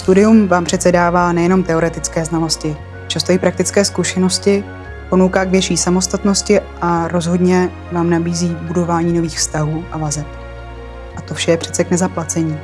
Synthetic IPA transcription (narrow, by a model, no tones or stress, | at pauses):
st̪udɪjumvaːmpr̥ɛt̪t͡sɛdaːvaːnɛjɛno̞mt̪ɛo̞ɾɛt̪ɪt͡skɛːznalo̞scɪ | t͡ʃast̪oipɾak̚t̪ɪt͡skɛːskuʃɛno̞scɪ | po̞nowkaːɡvjɛt͡ʃiːsamo̞st̪at̪no̞scɪʔaɾo̞zɦo̞dɲɛ | vaːmnabiːziːbudo̞vaːɲiːno̞viːxfst̪aɦuːʔavazɛp | ʔat̪ofʃɛjɛpr̥ɛ̥tt͡sɛknɛzaplat͡sɛɲiː